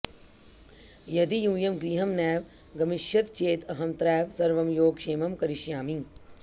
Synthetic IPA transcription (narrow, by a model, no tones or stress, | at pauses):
jɐd̪ijũːjɐmɡɾiːɦɐmnɛːʋ | ɡɐmɪʃjɐt̪t͡ʃeːt̪ɐɦɐmt̪ɾɛːʋsɐɾʋɐmjoːɡʃeːmɐmkɐɾiʃjaːmĩŋ